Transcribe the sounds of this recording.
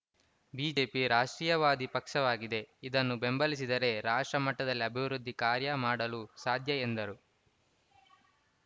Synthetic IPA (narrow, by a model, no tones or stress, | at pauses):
biːd͡ʒe̞ːpiɾaːʂʈɾiːjɐʋaːd̪ipɐkʂɐʋaːɡid̪e̞id̪ɐnːube̞mbɐlis̬id̪ɐɾe̞ɾaːʂʈɾɐmɐʈːɐd̪ɐlːiɐbʱiʋɾud̪ʱːikaːɾjɐmaːɽɐlusaːd̪ʱjɐend̪ɐɾu